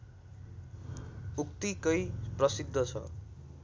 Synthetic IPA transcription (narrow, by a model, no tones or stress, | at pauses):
uk̚t̪ikʌjprʌsid̪ʱːʌt͡sʰʌ̰